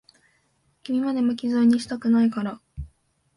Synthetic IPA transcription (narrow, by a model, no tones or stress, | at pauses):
kʲimʲimad̪e̞mokʲizoɲ̟ːiɕi̥t̪akɯ̟naikaɾa